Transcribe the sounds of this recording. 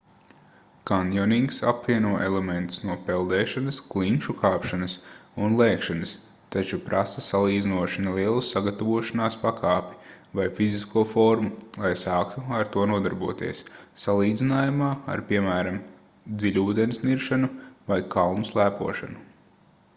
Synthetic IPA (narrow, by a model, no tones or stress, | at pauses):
kand̪ʲjɔnʲiŋksa̰pviɛnuɔʔɛlˠemẽnt̪u̥snuɔpɛlˠd̪ɛːʃanɐsklˠiŋkʃukaːpʃanɐsunlˠɛːkʃanɐs | t̪at͡ʃupɾʔasɐsalˠiːd̪zinuɔʃinɛlˠiɛlˠusaɡat̪avuɔʃanaːspakaːpʲi̥ | vajfiziskuɔfɔɾmulˠajsaːkt̪uaɾt̪uɔnuɔd̪aɾbuɔt̪ḭɛsːalˠiːd̪zinaːjumaːa̰ɾpʲiɛmæːɾam | d̪zilʲuːd̪enisniɾʃanuvajkʰalnuslˠæːpṵɔʃanu